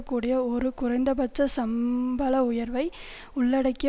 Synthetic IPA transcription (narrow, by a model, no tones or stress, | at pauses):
ɐkːuːɽɪjɐɔɾɯkʊrɐɪnd̪ɐbɐt͡ʃːɐsɐmbɐlɐʊjɐɾʋɐɪ | ʊɭːɐɽɐɪkː